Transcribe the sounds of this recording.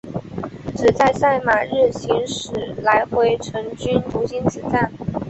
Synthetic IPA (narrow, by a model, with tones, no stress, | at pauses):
ʈ͡ʂɹɻ̩˨˩t͡sa˥˧ɪsa˥˩ɪma˨˩ɻɻ̩˥˩ɕi˧˥ŋʂɻ̩˨˩la˧˥ɪxwe˧˥ɪʈ͡ʂʰɤ˧˥ŋt͡ɕy˥nt̪u˧˥ɕi˥nt͡sɹ̩˧˩t͡sa˥˩n